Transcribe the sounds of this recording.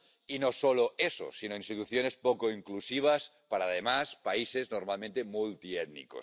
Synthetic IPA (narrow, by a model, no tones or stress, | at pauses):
inosoloeso̰sinoinst̪it̪uθjonespokoiŋklusiβ̞as | paɾaðemaspaiseznoɾmalmẽnt̪emult̪iet̪nḭko̰s